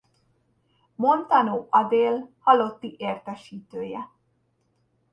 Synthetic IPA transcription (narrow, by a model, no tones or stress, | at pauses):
mo̞nt̪ɒnoːʔɒd̪eːlhɒlo̞t̪ːiʔeːrt̪ɛʃiːt̪øːjɛ